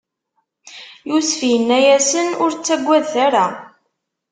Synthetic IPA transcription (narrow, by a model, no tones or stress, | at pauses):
jusfjənːæjæsənʊɾt͡sːæɡʷːæðθæɾa